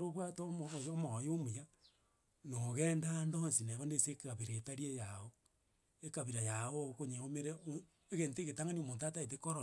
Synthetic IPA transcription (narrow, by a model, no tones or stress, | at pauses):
ɾoβwatojomojomuja | noɣɛːndandonsineβondesekaβiɾetaɾiejao | ekaβiɾajaokoɲeomeɾe | eɣenteɣetaŋaniomoːntataet̬ekoɾo